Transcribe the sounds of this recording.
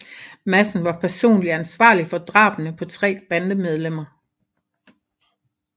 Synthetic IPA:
mæsn̩ʋɑ̈pʰæɐso̝̰ːnliænsʋɑ̰̈ːlifɒ̽d̥ʁɑ̈ːb̥nəpʰɒ̽t͡sʰʁɛ̰ːb̥ænd̥əmeð̞ˠlem̰ɐ

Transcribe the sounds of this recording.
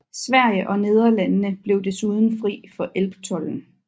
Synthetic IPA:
sʋæɐ̰jəʔɒ̽ne̝ð̞ˠɐlænːəb̥le̝ʊd̥e̝suð̞ˠn̩fʁḭːfɒ̽ʔelb̥t͡sʰɒ̽ln̩

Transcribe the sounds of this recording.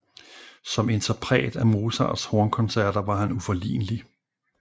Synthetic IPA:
sɒ̽me̝nt͡sʰɐpʰʁɛ̰ːd̥æmo̝ːsɑ̰shoɐnkʰɔ̽nsæɐ̰ɾ̥ɐʋɑ̈ɦænufɒ̽lḭːnəli

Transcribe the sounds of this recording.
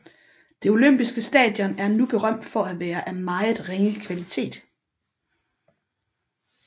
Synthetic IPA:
d̥e̝o̝løm̰b̥isɡ̥əsd̥ɛ̰ːd̥jɒ̽næɐnub̥e̝ʁɶm̰d̥fɒ̽æʋæːɐʔæmɑ̈ɪð̩ˠʁeŋəkʰʋælit͡sʰe̝̰ːd̥

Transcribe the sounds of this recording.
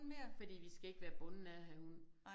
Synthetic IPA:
nmeɐfɒ̽d̥ḭːʋisɡ̥æe̝ɡ̥ʋæːɐb̥ɔ̽nn̩æðɦæhun

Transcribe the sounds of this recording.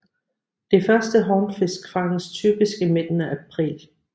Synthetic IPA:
d̥e̝fɶɐsd̥əɦɒnfe̝skʰʁɑ̈ŋn̩st͡sʰy̰ːb̥isɡ̥əme̝d̥n̩əʔæpʰʁḭːl

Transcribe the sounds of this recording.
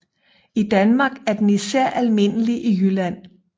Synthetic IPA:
id̥ænmɑ̈ːɡ̥æɐd̥enisæɐ̰ʔælme̝n̰əliʔijylæn̰

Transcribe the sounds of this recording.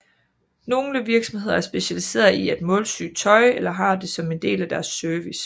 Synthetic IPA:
no̝ːləʋiɐɡ̥sɒ̽mhe̝ð̞̰ˠɐæɐsb̥e̝ɕælise̝̰ːɐðˠied̥mɔ̽ːlsy̰ːt͡sʰɒ̽ɪelɐɦɑ̈d̥e̝sɒ̽me̝nd̥e̝̰ːlæd̥æɐsːøɐʋis

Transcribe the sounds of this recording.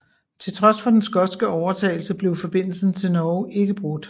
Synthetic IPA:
t͡sʰe̝lt͡sʰʁɒ̽sfɒ̽d̥ensɡ̥ɒ̥̽sɡ̥əɒʊɐt͡sʰɛ̰ɪlsəb̥le̝ʊfɒ̽b̥e̝n̰l̩sn̩t͡sʰe̝lnɒʊʔe̝ɡ̥əb̥ʁɔɡd̥

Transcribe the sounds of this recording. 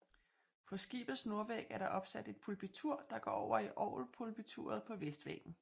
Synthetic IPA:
pʰɒ̽sɡ̥ḭːb̥ð̩ˠsno̝ɐʋeɡ̥æɐɾ̥ɑ̈ʔɒ̽b̥sæd̥e̝d̥̚pʰulb̥it͡sʰuɐ̰d̥ɑ̈ɡ̥ɒ̰ːɒʊ̰ɐiʔɒ̰ʊlpʰulb̥it͡sʰuɐð̞̩ˠpʰɒ̽ʋesd̥ʋḛɡ̥n̩

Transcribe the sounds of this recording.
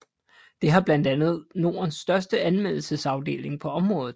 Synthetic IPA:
d̥e̝ɦɑ̈b̥lænd̥ænð̞̩ˠno̝ːɐnsːd̥ɶɐsd̥əænmel̰l̩səsɑ̈ʊd̥e̝̰ːle̝ŋpʰɒ̽ɒ̽mʁɔ̽ːð̞̩ˠ

